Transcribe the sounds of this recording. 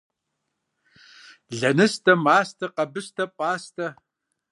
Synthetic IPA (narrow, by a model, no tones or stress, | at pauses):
ɮɐnɨstʰɐmaːstʰɐqɐbɨstʰɐpʼaːstʰɐ